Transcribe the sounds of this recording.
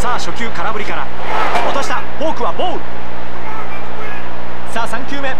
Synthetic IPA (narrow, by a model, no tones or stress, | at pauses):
saːɕo̞kʲɨːkaɾabɯ̟ɾʲikaɾa̰ | ot̪o̞ɕi̥t̪a | boːkɯ̟βaboː | saːsãŋkʲɨːme̞